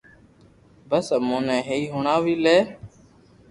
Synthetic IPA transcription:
bəsəmõːnẽːɦeiːɦoːɳaːʋiːleː

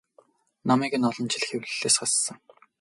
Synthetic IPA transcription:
namæːɡɘ̆nɔɮɞ̆nt͡ɕʰiɮ̆xewɮɘɮeːsχassə̆ŋ

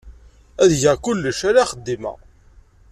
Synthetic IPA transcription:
æðʝəʁkʊlːəʃaɾaχəd̪ːimæ̰

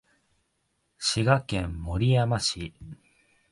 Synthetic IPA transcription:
ɕiɡakẽmːo̞ɾʲijamaɕi

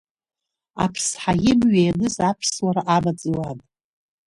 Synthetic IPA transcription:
a̰pʰsħajɪmɥajanɨzapʰswaɾaʔamat͡sʼɨwanʼ

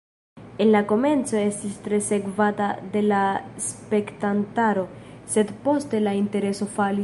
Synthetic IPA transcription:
enlako̞me̞nt͡so̞e̞stistɾe̞se̞kvatade̞laspe̞ktantaɾo̞se̞dpo̞ste̞lainte̞ɾe̞so̞fali

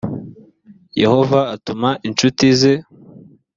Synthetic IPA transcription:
je̞̰ho̞vaːtumaʔint͡ʃutize

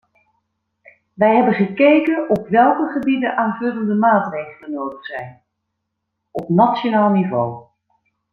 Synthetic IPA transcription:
ʋɛjɦɛbənχəkejkənɔpʋɛlˠkəχəbidənʔaːnvɵləndəmaːtrejχələnowdəχsɛjn | ɔpnɑtsjonaːlˠnivow

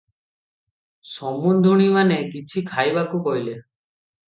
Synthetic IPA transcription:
sɔmund̪ʱuɽ̃imanekit͡ʃʰikʰajbakukɔɦjle

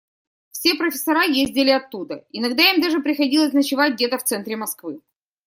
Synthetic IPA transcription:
fsʲe̞pɾəfʲɪ̥sɐɾajezʲdʲɪlʲɪɐt̪ːud̪əɪnɐɡd̪aimd̪aʐɨpɾʲɪxɐdʲilˠəsʲnət͡ɕɪvat̚ʲdʲe̞t̪əft̪sɛnt̪ɾʲɪmɐskvɨ

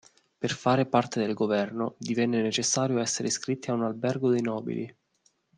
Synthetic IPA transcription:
perfaːɾepart̪ed̪elɡovɛrnod̪ivɛnːenet͡ʃesːaːɾjoɛsːeɾʔeskɾit̪ːiaunalbɛrɡod̪ejnɔːbḭlʔḭ

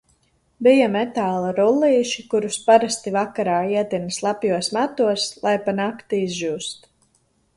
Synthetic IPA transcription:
bijamɛt̪aːlˠaɾulˠːiːʃikuɾuspaɾast̪ivakaɾaːiɛt̪inislˠapjuɔsmat̪uɔslˠʔajpanakt̪uizʒuːst̪

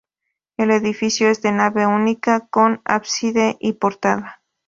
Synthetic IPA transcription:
e̞le̞ðifisjoe̞zðe̞naβe̞unikako̞na̰βsiðe̞ʔipo̞ɾt̪aða

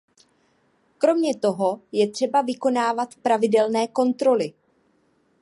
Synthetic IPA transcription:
kɾo̞mɲɛt̪o̞ɦo̞jɛt̪r̝̥ɛbavɪko̞naːvat̪pɾavɪdɛlnɛːko̞nt̪ɾo̞lɪ

